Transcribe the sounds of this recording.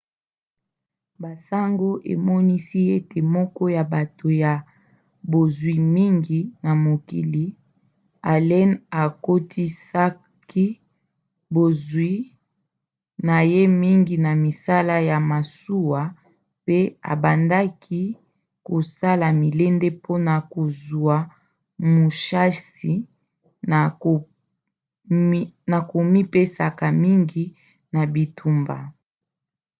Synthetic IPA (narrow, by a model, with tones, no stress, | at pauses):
ba˨sa˦ŋɡo˦ʔḛ˨mɔ˦ni˦si˦e˦te˨mɔ˦kɔ˦ja˨ba˨to˨ja˨ | bo˨zwi˨mi˦ŋɡi˨na˨mo˨ki˨li˨˦ | a˨lɛ˦na˨ko˦tʰi˦sa˦ | ki˦ | bo˨zwi˦ | na˨je˦mi˦ŋɡi˨na˨mi˨sa˦la˦ja˨ma˨su˦wa˨ | pe˦a̰˨ba˨nda˦kʰi˦ | ko˨sa˦la˨mi˨le˦nde˦pʰo˦na˨ko˨zu˨a˨ | mo˨ʃa˦si˨ | a˨o˨ | na˨ko˨mi˦pe˦sa˨ka˨mi˦ŋɡi˦ | na˨bi˨tʰu˨mba̰˨